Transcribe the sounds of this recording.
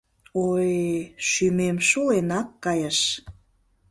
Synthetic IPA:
ojʃymemʃulenɑkːɑjəʃ

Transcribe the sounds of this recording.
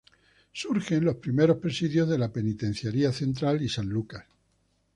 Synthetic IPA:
suɾxe̞nlo̞spɾime̞ɾo̞spɾe̞siðjo̞zðe̞lape̞nit̪ẽ̞n̟θjaɾiaθe̞nt̪ɾalisanlukas

